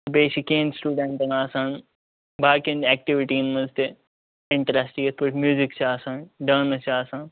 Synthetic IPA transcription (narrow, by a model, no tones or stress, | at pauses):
beːʃikeːnsʈuːɖẽɳʈɐnaːsaːn | baːkenɛːk̚ʈiʋiʈiːnmɐzt̪e | ɪɳʈɾaːsʈiɡespuʈmjuːzikt͡ʃʰiaːsaːnɖəːnɐt͡ʃaːsaːn